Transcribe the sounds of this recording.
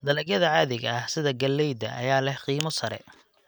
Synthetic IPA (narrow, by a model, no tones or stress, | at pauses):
d̪ɐlɛɡjɐðɐʕaːðɪɣɐɐhsɪðɐɡɐlːɛjd̪ɐ̰ʔɐ̰jaːlɛhqiːmɔsɐɾɛ̰